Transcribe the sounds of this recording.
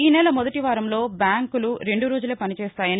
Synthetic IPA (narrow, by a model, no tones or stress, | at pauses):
iːnɛːlɐmɔd̪ɐʈiʋaːɾɐmlo̞ːbjaːŋkuluɾe̞ɳɖuɾoːd͡ʒuleːpɐnit͡ʃɛːst̪aːjɐni